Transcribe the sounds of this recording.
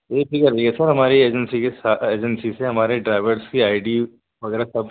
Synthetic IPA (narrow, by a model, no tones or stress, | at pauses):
jeːʈʰikəɾiɡesɐɾɦɐmaːɾieːd͡ʒənsikesaːeːd͡ʒənsiseɦɐmaːɾeɖɾaːɪʋəɾskiaːɪɖi | ʋɐɡɛːɾasɐb